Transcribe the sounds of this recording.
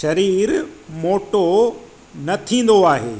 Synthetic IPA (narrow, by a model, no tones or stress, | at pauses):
ʃɐɾiːɾmoːʈo | nɐt̪ʰĩːn̆d̪oaːɦḛː